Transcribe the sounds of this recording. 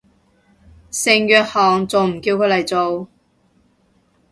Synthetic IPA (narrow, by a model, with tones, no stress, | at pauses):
sɪ˨˧ŋjœː˧t̚hɔː˨ŋt͡so˨wm̩˨˩kiː˧wkʰɵ˨˧jlɐ˨˩jt͡so˨w